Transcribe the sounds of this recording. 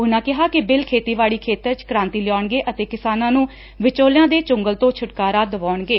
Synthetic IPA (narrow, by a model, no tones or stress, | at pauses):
ʊnãːkɪɦaːkɪbɪlkʰeːt̪iːʋaːɭiːkʰeːt̪əɾt͡ʃkəɾãːnt̪iːlɪjɔːɳɡeːʔət̪eːkɪsaːnãːnũː | ʋɪt͡ʃoːljãːd̪eːt͡ʃʊŋɡəlt̪õːt͡ʃʰʊʈkaːɾaːd̪əʋaːɳɡeː